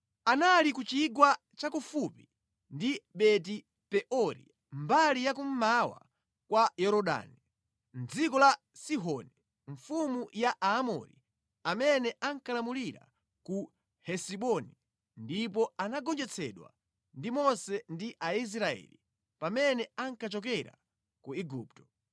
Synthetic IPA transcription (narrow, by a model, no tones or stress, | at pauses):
analikut͡ʃiɡwa | t͡ʃakufupi | ndiɓɛt̬i | pɛʔɔɾḭ | mbalijak̬um̩mawa̰ | kwajɔɾɔɗa̰ːni | n̩d͡zikɔla | siɦɔni | ɱfumujaʔaːmɔ̰ɾḭ | amɛnɛʔaŋkʰalamuliɾa̰ | ku | hɛsiɓɔni | ndipɔanaɡɔnd͡ʒɛt͡sʰɛɗwa̰ | ndimɔsɛndiʔais̬ɾaɛ̰li | pamɛnɛaŋkat͡ʃɔk̬ɛɾa̰ | kuiɡuːp̚tɔ̥